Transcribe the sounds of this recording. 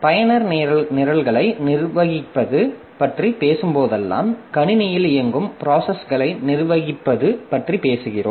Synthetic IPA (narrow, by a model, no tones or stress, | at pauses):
pɐjɐnɐɾnɪɾɐɭɣɐɭɐɪnɪrʋɐɣɪpːɐðɯ | pɐʈripeːsɯmpoːðɛlːa̰ːmkɐɳɪnɪjɪlɪjɐŋɡɯmpɪɾaːsɐsɣɐɭɐɪnɪrʋɐɣɪpːɐðɯpɐʈripeːsɯɣɪro̰ːm